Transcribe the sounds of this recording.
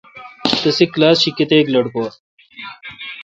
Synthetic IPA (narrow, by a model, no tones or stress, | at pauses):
t̪ɐsikːlaːsɕikːet̪eːklɐɽkoː